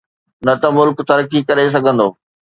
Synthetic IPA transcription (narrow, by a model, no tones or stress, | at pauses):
nɐt̪ɐmʊlkt̪ɐɾkikɐɾes̬ɐɡʱə̃nd̪oː